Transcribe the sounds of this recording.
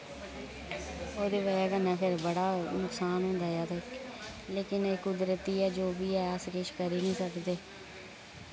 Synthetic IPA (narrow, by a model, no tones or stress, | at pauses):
oːd̪eːʋəjaːkənːãːpʰɪɾbəɽaːnʊksaːnɦʊ̃nd̪aːjaːt̪aɪk | leːkɪnekʊd̪ɾət̪iːɛːd͡ʒoːbiːɛːskeʃkəɾiːnĩːsəkd̪eː